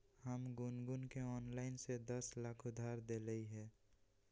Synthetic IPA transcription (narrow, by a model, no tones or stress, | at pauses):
həmɡʊnɡʊnkeɔːnlaːɪnsed̪əslaːkʰʊd̪ʱːaːɾd̪eləiɦɛː